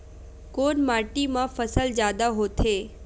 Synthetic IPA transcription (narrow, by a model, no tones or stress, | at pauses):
koːnmaːʈimãfəsəld͡ʒjaːd̪aɦot̪ʰeː